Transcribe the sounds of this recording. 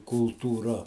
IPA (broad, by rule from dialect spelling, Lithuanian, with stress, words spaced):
kʊlˠtuːˈrɐ